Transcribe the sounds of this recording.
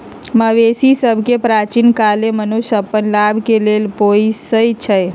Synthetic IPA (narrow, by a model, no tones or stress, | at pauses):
məʋesisəbʱkepɾat͡ʃinkalemənuʃəpːənlabʱkelelpoisəjt͡ʃʰəj